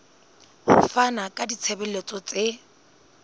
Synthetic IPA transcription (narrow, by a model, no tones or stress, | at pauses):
hʊ̰fanakʼadit͡sʰebɛlet͡sʼɔt͡sʼe